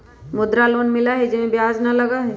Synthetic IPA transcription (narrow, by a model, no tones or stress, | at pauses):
mʊd̪ɾaloːnmɪlaɦɛd͡ʒɪmẽbjaːznɐlɐɡaɦɛ